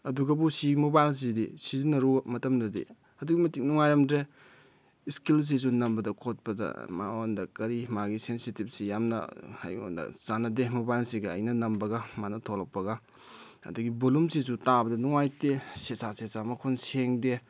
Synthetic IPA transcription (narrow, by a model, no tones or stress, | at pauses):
ɐduɡɐbusimobajls̬idḭsizunɐɾumɐtɐmnɐdḭ | ɐduɡimɐtik̚nuŋajɾɐmdɾe | skils̬is̬unɐmbɐdɐkʰot̚pɐdɐ̰ma̰ondɐkɐɾimaɡisensitip̚sijamnɐ̰a̰jo̰ndɐ̰zanɐdemobajlsiɡɐɐ̰jnɐnɐmbɐɡɐmanɐtʰolɐk̚pːɐɡa | ɐ̰duɡibolumsisutabɐdɐnuŋajtesesasesamɐkʰonseŋde